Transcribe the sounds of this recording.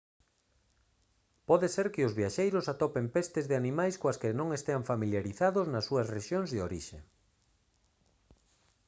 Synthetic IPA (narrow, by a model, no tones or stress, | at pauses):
pɔðeseɾkɪʊzβiaʃejɾʊsat̪ɔpempest̪ɪzðɪanĩmajskoaskɪnõŋest̪eaɱfamiljaɾiθaðʊznɐsːuɐsreʃjoŋzðɪoɾḭʃe